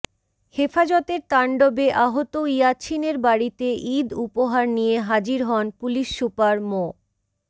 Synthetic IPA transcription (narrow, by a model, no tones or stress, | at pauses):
hefad͡ʑɔt̪eɾt̪aɳɖobeʔaɦot̪oijat͡ɕʰineɾbaɽit̪eʔid̪upoɦaɾnijeɦad͡ʑiɾɦɔnpuliʃːupaɾmo